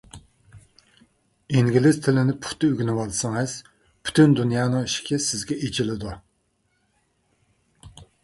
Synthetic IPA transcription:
iŋɡʲilɪzt̪ʰɪlɪnɪpʰu̥t̪ʰːɨøɡʲinɪwɑlˠsɨŋɛs | pʰy̥t̪ʰynd̪unjɑːnɨŋiʃi̥kʲʰɛsɪzɡʲɛʔed͡ʒilɪd̪u

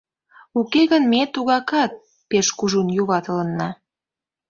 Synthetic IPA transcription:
ukeɣənmet̪uɣɑkɑt̪̚ | peʃkuʒunjuβɑt̪ələnːɑ

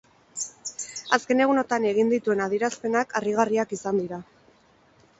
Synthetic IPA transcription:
aske̞ne̞ɣ̞uno̞t̪ane̞ɣ̞ind̪it̪ue̞naðiɾaspe̞nakʰariɣ̞ariakisand̪iɾa

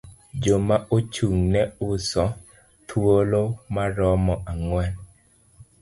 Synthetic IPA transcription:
d͡ʒomaʔot͡ʃuŋnɛʊsɔ | t̪ʰwolomaɾɔmɔʔaŋwɛn

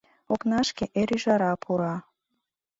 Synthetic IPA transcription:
oknɑʃkeʔeɾyʒɑɾɑpʰuɾɑ

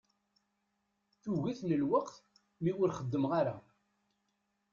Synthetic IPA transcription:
θuɣæθnəlwəqθ | miʊɾχəd̪ːəmʁaɾa

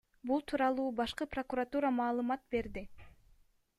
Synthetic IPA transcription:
bulˠt̪ʰuːɾɑlˠuːbɑʃqɯpro̞kuɾat̪uɾamɑːlˠɯmɑt̪̚be̞ɾd̪i

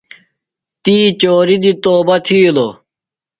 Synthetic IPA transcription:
t̪iːt͡ɕoːɾid̪it̪oːbɐt̪ʰiːlo

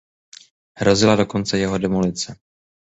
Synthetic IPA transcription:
ɦɾo̞zɪlado̞ko̞nt͡sɛjɛɦo̞dɛmulɪt͡sɛ

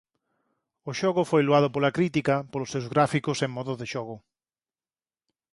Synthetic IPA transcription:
oʃɔɣʊfojluað̞ʊpolakɾit̪ikɐpolʊsewzɣɾafikʊseŋmɔðʊðeʃɔɣʊ

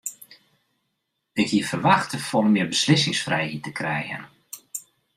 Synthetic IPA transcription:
ɪkhiəfərʋaxtəfoːləmɪːbəslɪsɪŋsfrɛjhitəkrɛjɣə̰n

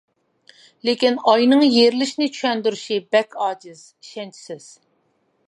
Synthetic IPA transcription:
lekʲinɑjnɨŋjeɾlɪʃnɪt͡ʃʰy̥ʃɛnd̪yɾyʃibɛkʰʲɑːd͡ʒɪz̥ | iʃɛnt͡ʃʰi̥sɪz̥

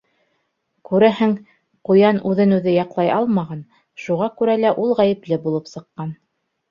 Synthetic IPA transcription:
kʉɾæɦɘŋ | qŏjɑnʉðɘnʉðɘjɑqlˠɑjɑlˠmɑʁɑn | ʃuʁɑkʉɾælæʔulˠʁæjɘ̆plɘbulˠɤpsɤ̆qːɑn

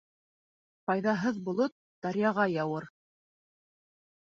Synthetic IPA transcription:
qɑjðɑɦɤðbŏlˠot̪̚d̪̥ɑɾʲjɑʁɑjɑwɤɾ

